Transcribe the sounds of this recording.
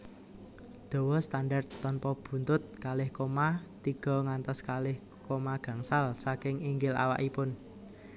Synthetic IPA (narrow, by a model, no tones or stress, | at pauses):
d̪̥o̤wɔst̪anɖard̪ɔnpɔb̥ṳnt̪ʊt̪̚kalɪhkomat̪iɡ̥ɔ̤ŋant̪ɔskalɪh | komaɡ̥ä̤ŋsalsakɪŋiŋɡɪla̰wa̰ʔipʊn